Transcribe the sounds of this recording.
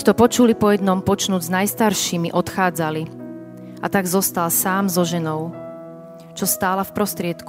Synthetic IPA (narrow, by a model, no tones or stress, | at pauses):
t̪ɔpɔt͡ʃulipɔjɛd̪nɔmpɔt͡ʃnuːɟznajst̪aɾʃiːmiʔɔt̪xaːd͡zali | at̪aɡzɔst̪alsaːmzɔʒɛnɔʊ | t͡ʃɔst̪aːlafpɾɔst̪ɾɪɛt̪ku